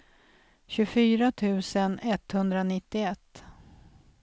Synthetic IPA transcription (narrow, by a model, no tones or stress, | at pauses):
ɕɵfyːɾat̪ʰʉ̟ːsənɛt̪hɵnd̪ɾanɪt̪ːɪɛt̪ː